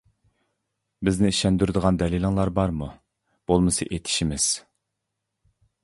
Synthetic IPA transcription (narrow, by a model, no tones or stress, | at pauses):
bɪznɪiʃɛnd̪yɾd̪əʁɑnd̪ɛlilˠɨŋlˠɑɾbɑɾmu | b̥olˠmɨsɨʔet̪ʰɪ̥ʃimɪz̥